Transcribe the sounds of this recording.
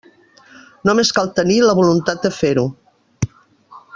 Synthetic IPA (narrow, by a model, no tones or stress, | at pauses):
nomeskalˠt̪əniləβulunt̪ad̪̚d̪əfeɾu